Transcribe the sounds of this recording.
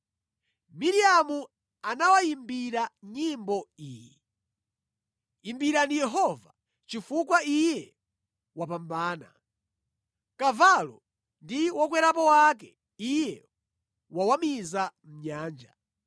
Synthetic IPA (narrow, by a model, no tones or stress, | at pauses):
miɾiamu | anawaimbiɾaɲimbɔiːjɛ | imbiɾandijɛɦɔva | t͡ʃifukwaijɛ | wapambaːna̰ | kavalɔ̰ | ndiwak̬wɛɾapɔwakɛ | ijɛ | wawamizam̩ɲaːnd͡ʒa̰